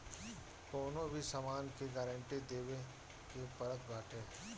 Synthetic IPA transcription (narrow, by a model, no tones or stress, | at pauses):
koːnõbʱisɐmaːnkiɡɛːɾəɳʈid̪eːwe | kepɐɾək̪̚ɡaːʈʰeː